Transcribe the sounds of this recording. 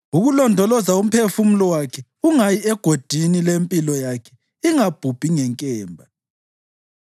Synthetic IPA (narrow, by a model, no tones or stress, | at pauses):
uɣulɔndʱɔlɔzaum̩pʰefumulɔwakʰɛ | uŋajiɛɡ̥ʱod̥ʱinilempʼilɔjakʰɛ | iŋab̥ʱub̥ʱiŋɛŋkʼɛːmbʱa